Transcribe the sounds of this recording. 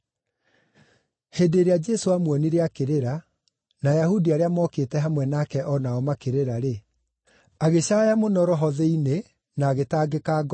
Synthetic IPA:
heːdeɾead͡ʒɛsoamwɔniɾeakeɾeɾa | najahudiaɾeamɔkeːtɛɦamwɛnaːkɛʔɔnaɔmakeɾeɾaɾe | aɣeɕajamonɔɾɔɦɔðɛine | naːɣetaːɡekaːɡ

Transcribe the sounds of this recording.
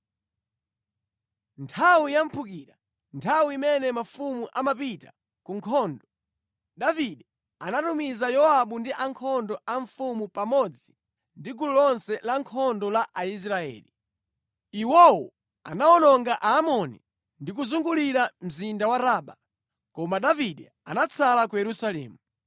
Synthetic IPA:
ntʰawujam̩pʰukiːɾa | ntʰawiimɛnɛmafumuʔamapita | kuŋkʰɔːndɔ | ɗaviɗi | anatumizajɔaɓundiʔaŋkʰɔndɔʔaɱfumupamɔd͡zi | ndiɡululɔnsɛlaŋkʰɔndɔlaʔais̬ɾaɛ̰ːli | iwɔwɔ | a̰naɔnɔŋɡaʔaːmɔnḭ | ndik̬uzuŋɡuliɾam̩zindawaɾaːɓa | kɔmaɗaviɗɛ | a̰nat͡sʰalakujɛɾusalɛ̰ːmu

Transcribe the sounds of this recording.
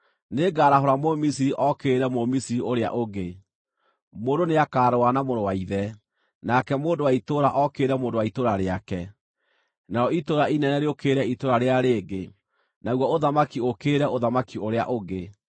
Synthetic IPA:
neɡaːɾaɦoɾamomisiɾiʔɔkeːɾɛmomisiɾioɾea̰ʔoɡe | moːndoneakaːɾowanamoɾowaiðɛ | nakɛmoːndowaitoɾaʔɔkeɾɛmoːndowaitoɾaɾeakɛ | naɾɔitoɾainɛnɛɾeokeːɾɛitoɾaɾeaɾeːɡe | naɣwɔoðamakiokeːɾɛoðamakioɾea̰ʔoɡe

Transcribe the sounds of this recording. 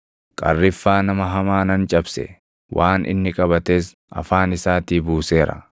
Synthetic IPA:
kʼɐ̰rːɪfːaːnɐmɐɦɐmaːnɐnt͡ʃʼɐbsɛ̰ | wʔaːnʔɪ̰nːɪkʼɐbɐt̪eːs | ɐ̰faːnɪsaːt̪iːbuːse̞ːɾɐ̰

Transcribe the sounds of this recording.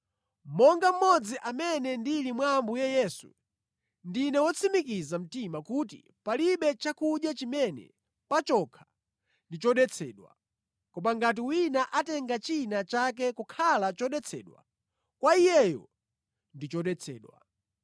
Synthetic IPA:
mɔŋɡam̩mɔd͡ziʔamɛnɛndilimwambujɛjɛːsṵ | ndinɛwɔt͡sʰimikizam̩timakutḭ | paliɓɛt͡ʃakuɗjat͡ʃimɛnɛ̰ | pat͡ʃɔkʰḁ | ndit͡ʃɔɗɛt͡sʰɛːɗwa̰ | kɔmaŋɡat̬iwinaʔatɛŋɡat͡ʃinat͡ʃak̬ɛkukʰalat͡ʃɔɗɛt͡sʰɛ̰ːɗwa̰ | kwaijɛjɔ̰ | ndit͡ʃɔɗɛt͡sʰɛ̰ːɗwa̰

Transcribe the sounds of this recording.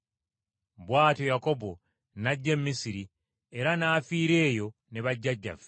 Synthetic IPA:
βwaːtojako̞bo̞ | naɟːe̞mmːisiɾi | e̞ɾanaːfiːɾe̞ːjo̞ | ne̞βaɟːaɟːa̰f

